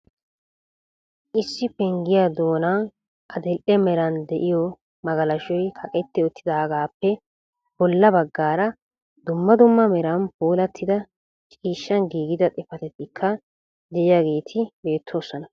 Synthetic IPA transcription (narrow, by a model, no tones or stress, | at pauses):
ʔɪsːɪpɛŋɡɪjad̪o̞ːnan | ʔɐd̪ɛlʔɛmɛɾɐnd̪ɛʔɪjɔ | mɐɡɐlɐʃɔjkʰɐkʼɛt̪ːɪɔt̪ːɪd̪aːɡaːpːɛ | b̥ɔlːɐbɐɡːaːɾɐ | d̪̥ʊmːɐd̪ʊmːɐmɛɾɐnpoːlɐt̪ʰːɪd̪ɐ | t͡ʃʼiːʃːɐnɡiːɡɪd̪ɐt̪ʼɛfɐt̪ɛt̪ːɪkʰːɐ | d̪ɛʔɪjaɡe̞ːt̪ʰɪbe̞ːt̪ʰːo̞ːsːɔnɐ